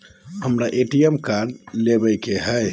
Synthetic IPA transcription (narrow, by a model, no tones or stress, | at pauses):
həmɾaʔeʈiemkaɖlebəjkeɦəj